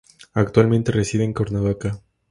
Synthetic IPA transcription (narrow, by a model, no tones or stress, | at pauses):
akt̪walment̪eresiβeːŋkoɾnaβaka